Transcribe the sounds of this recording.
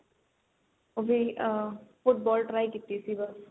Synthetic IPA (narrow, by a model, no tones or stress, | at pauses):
ɐbʱi | fʊʈ̚bɔːlʈɾaːjkit̪isibɐs